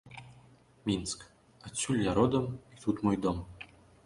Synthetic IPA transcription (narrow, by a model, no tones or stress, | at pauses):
mʲinsk | at͡sʲulʲjaɾod̪əmit̪ut̪mojd̪om